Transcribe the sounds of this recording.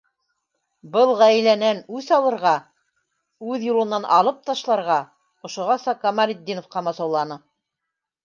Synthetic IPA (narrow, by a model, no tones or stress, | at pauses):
bɤlˠʁæjlænænʉθɑlˠɤ̆ɾʁɑ | ʉðjulˠɤ̆nːɑnʔɑ̰lˠɤp̚t̪ɑʃlˠɑɾʁɑ | ŏʃŏʁɑsɑkɑmɑɾʲid̪ʲːinŏfqɑmɑsɑwlˠɑnɤ